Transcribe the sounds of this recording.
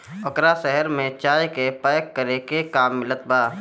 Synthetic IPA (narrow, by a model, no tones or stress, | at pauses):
ʊkɾaʃɛɦəɾmẽt͡ʃaːjkepəjkːəɾekekaːmːɪlət̪̚baː